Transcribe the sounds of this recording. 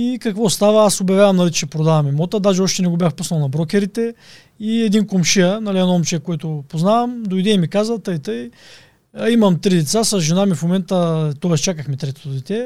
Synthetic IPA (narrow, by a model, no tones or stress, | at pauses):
ikɐkvɔst̪avəasobjɐvʲjavɐmnɐlit͡ʃɛpɾod̪avɐmɛmɔt̪əd̪aʒɛɔʃt̪ɛnɛɡobʲjaxpusnɐlˠnɐbɾɔkʲɛɾit̪ɛ | iɛd̪inkomʃiənɐliɐnɔmt͡ʃɛkoɛt̪ʊpoznavɐmd̪ojd̪ɛimikazət̪əjt̪ɤj | imɐmt̪ɾid̪ɛt̪sasɐzʒɛnamifmomɛnt̪ət̪ɔɛst͡ʃakəxmɛt̪ɾɛt̪ot̪d̪ɛt̪ɛ